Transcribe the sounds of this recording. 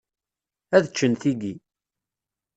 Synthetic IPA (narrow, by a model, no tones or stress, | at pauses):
æðət͡ʃːənθiɡi